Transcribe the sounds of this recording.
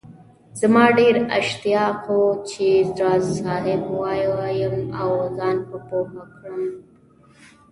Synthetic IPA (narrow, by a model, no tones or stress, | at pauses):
zamɑːɖeɾa̰ʃt̪ijɑːqot͡ʃezɾɑsɑːɦɪbwɑːjjəmawzɑːnpəpohakɽəm